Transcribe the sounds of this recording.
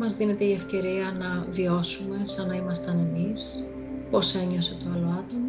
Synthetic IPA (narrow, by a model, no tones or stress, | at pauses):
mɐzðine̞t̪e̞ie̞fce̞ɾiɐnɐvio̞sume̞sɐnɐimɐst̪ɐne̞mis | po̞se̞ɲo̞se̞t̪oɐlo̞ɐt̪o̞mɐ